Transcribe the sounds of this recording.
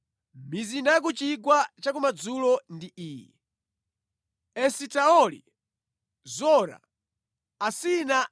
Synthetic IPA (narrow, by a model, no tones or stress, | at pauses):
ɓizindak̬ut͡ʃikwat͡ʃak̬umad͡zulɔndiiːjɛ̰ | ɛsitaɔlḭ | zɔɾa̰ | asina